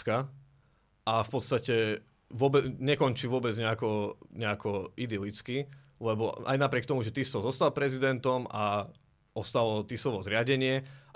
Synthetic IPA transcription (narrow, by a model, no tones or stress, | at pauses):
ka | ʔafpɔt̪st̪acɛ | ʋʊɔbɛɲɛkɔnt͡ʃiʋʊɔbɛd͡zɲɛakɔɲɛakɔid̪ilit͡ski | lɛbɔa̰jnapɾɪɛk̚t̪ɔmuʒɛt̪isɔzɔst̪alpɾɛzid̪ɛnt̪ɔma | ɔst̪alɔt̪isɔʋɔzɾɪaɟɛɲɪɛ